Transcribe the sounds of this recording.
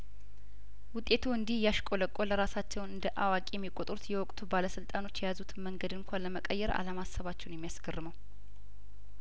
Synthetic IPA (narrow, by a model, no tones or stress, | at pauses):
wʊt̪ʼːe̞t̪ʰuɨnd̪ihjaʃkʼo̞ləkʼːo̞ləɾasat͡ʃːɛwnɨnd̪əʔawakʼijɛmːikʼot̪ʼɾut̪jɛwɔkʼt̪ʰubaləsɨlt̪ʼano̞t͡ʃːjɛjazut̪ʰməŋɡəd̪ɨŋkʰʷanləməkʼəjːɛɾa̰ləmasəβat͡ʃːɛwnjɛmːijasɡʰərːɨməw